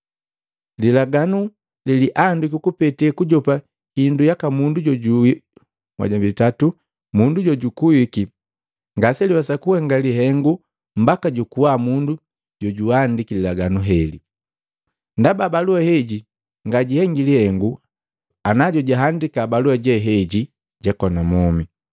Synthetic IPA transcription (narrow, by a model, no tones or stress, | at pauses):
lilaɡanu | liliʔandikukupɛtɛkuɟɔpa | hindujakamunduɟɔɟui | mwa̰ɟabitatu | munduɟɔɟukuwiki | ŋɡasɛliwasakuhɛŋɡaliɦɛŋɡu | m̩bakaɟukuwamundu | ɟɔɟuandikililaɡanuɦɛli | ndababaluahɛɟi | ŋɡaɟihɛŋɡilihɛŋɡu | anaɟɔɟaɦandikabaluaɟɛɦɛɟi | ɟakɔnamɔmi